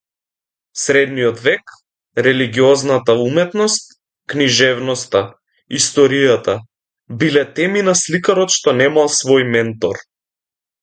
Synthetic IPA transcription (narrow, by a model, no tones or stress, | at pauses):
sɾɛd̪nijɔd̪vɛk | ɾɛliɡiɔznat̪aumɛt̪nɔst̪̚ | kniʒɛvnɔst̪a | ist̪ɔɾijat̪a | bilɛt̪ɛminaslikaɾɔt̪ʃt̪ɔnɛmalˠsvɔjmɛnt̪ɔɾ